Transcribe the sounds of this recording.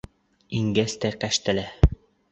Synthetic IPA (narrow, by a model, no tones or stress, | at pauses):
iŋɡæst̪æqæʃt̪ɘ̆læ